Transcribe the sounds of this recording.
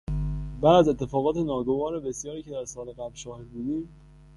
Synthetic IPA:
bæd̪æzet̪ʰːe̞fɒːɣɒːt̪ʰenɒːɡo̞vɒːɾebe̞sjɒːɾiːcʰe̞d̪æɾsɒːleɣæblʃɒːhebuːd̪iːm

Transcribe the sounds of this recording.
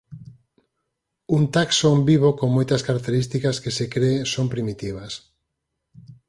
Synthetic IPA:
unt̪aksombiβokoŋmojt̪ɐskaɾak̚t̪eɾist̪ikaskesekɾesompɾimit̪iβɐs

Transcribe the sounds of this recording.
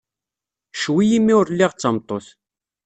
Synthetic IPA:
ʃwijimːiʊɾlːiʁt͡sːɑmt̪ˤːoθ

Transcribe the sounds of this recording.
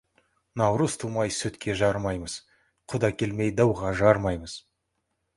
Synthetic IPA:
nɑwɾəst̪ʰumɑjsɵt̪kʲʰe̞ʒɑɾmɑjməz̥ | qʰʊd̪ɑkʲʰe̞lmejd̪ɑwʁɑʒɑɾmɑjməz̥

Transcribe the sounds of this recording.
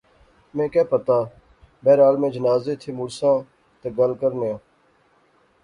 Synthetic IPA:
mẽːkɛːpət̪aː | bɛːɾaːlmẽːd͡ʒənaːzeːt̪ʰeːmʊɾsãː | t̪əɡəlkəɾnejãː

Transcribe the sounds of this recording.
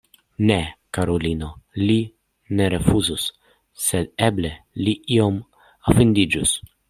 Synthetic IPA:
nekaɾolino̞li | ne̞ɾe̞fuzusː | e̞d̪eble̞liʔio̞m | afind̪id͡ʒus

